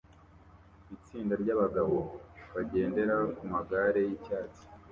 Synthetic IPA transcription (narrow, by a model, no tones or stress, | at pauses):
it͡siːndaɾɟaβaɡaβoβaɟe̞ːnde̞ɾakumaɡaɾe̞jicaːt͡si̥